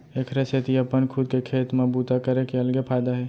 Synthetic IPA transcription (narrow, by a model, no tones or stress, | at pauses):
ekʰɾeset̪iəpənkʰʊd̪kekʰeːt̪mebuːt̪akəɾekeəlɡepʰaːjd̪aɦɛː